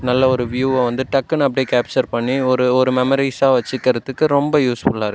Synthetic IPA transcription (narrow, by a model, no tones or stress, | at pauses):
nɐlːɐɔɾɯʋjuːɐ̃ʋɐnd̪ɯʈɐkːɐnɐpːɐɽɪkaːp̚t͡ʃɐɾpɐɳːiɔɾɯɔɾɯmɛmɔɾisaːʋɐt͡ʃːɯkːɐɾɐt̪ːɯkːɯɾɔmbɐjuːsfʊɭːaːɾɯ